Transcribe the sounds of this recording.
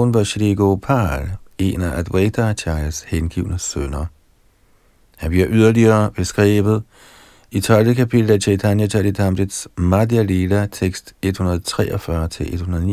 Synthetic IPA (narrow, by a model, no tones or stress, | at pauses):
nʋɑɕileɡ̥opʰɑ̰ːle̝̰ːnɐʔæd̥wedat͡ɕʰɑ̈ɪlshenɡ̥ḭʊnəsønɐ | hænb̥liɐʔyð̞ˠɐliɐːb̥e̝sɡ̥ʁḭːʋð̩ˠ | it͡sʰɒ̽ld̥əkʰæpʰid̥l̩æɕʰet͡sʰænjæɕʰæd̥idʰɑ̈md̥edsmɑd̥iælelæt͡sʰeɡ̥sd̥e̝d̥hunɐð̩ˠt͡sʰʁɛːʔɐfɶɐt͡sʰe̝lʔe̝d̥hunɐðˠni